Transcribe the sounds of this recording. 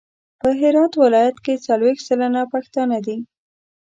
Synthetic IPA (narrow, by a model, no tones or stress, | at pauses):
pəɦɪɾɑt̪wɪlɑjat̪ket͡salwext̪səlanapaxt̪ɑnad̪i